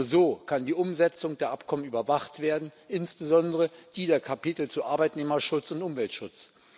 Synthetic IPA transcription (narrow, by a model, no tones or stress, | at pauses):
zoːkʰandiːʔʊmzɛt͡sʊŋd̥eːɐʔapkʰɔmənyːbɐvaχtv̥eːɐdn̩ʔɪnsb̥əzɔndəʁəd̥iːdeːɐkʰapitl̩t͡suʔaɐbaɪtneːmɐʃʊt͡sʊntʔʊmvɛltʃʊt͡s